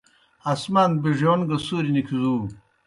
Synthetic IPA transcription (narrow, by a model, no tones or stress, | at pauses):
ɐsmanbiʒonɡɐsuːɾinikʰizuː